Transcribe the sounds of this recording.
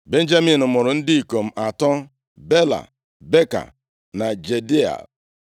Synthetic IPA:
be˦n̩˦d͡ʒa˦mi˨nʊ˨mʊ˨ɾʊ˨n̩˦dɪ˦i˨ko˨m̩˦ʔa˨tɔ˦ | be˦la̰˨ | be˦ka̰˨ | na˨d͡ʒe˨di˦a̰˨

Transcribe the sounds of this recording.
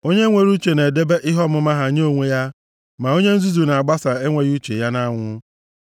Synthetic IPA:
o˦ɲe˦ŋʷe˨ɾu˦t͡ʃe˨ne˨de˦be˦ʔɪ˦ɦɔ˦mʊ˦ma˦ɦa˨ɲo˦˨ŋʷe˦ja˦ | ma˨o˦ɲe˦n̩˦zu˦zu˨na˨a˨ɡ͡ba˦sa˨e˦ŋʷe˦ɣu˦t͡ʃe˨ja˦na˦ŋʷʊ˦

